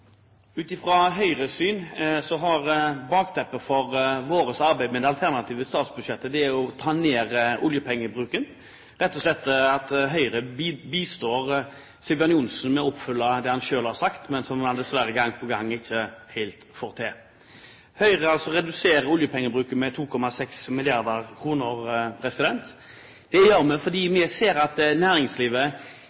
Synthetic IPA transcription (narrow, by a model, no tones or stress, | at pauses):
ʉːt̪ɪfɾɑɦœʏɾəsyːnsɔɦɑʁbɑːkt̪ʰɛpːəfɔʁʋoːɾəsɑɾbæɪmɛd̪ɛɑlt̪ʰæʁnɑt̪ʰiːʋəst̪ɑːt̪sbʉd̪ʃɛt̪ːəd̪ɛæɾɔt̪ʰɑːneːɾʊljəpʰɛŋːəbɾʉːkən | ɾɛt̪ːɔslɛt̪ːɑt̪ɦœʏɾəbiːst̪oːʁ | sɪbɑnɪʊnsn̩mɛɔpfʏlːɑd̪ɛhɑnʃøːlhɑɾsɑkt̪mɛnsɔmɑnd̪ɛsʋæɾəɡɑŋːpʰɔɡɑŋːɪçːəhæɪlt̪fɔːʁt̪ʰeː | hœʏʁəɑlsɔɾɛd̪ʉseːɾəʊljəpʰɛŋːəbɾʉːkənmɛt̪ʰuːkʰɔmɑsɛksmɪlɪɑʁd̪əʁkʰʁuːnəɾpʰɾɛsɪd̪ɛnt̪ | d̪̥ɛjøːʁmɛfɔd̪iːmɛseːɾɑt̪næːɾɪŋsliːʋə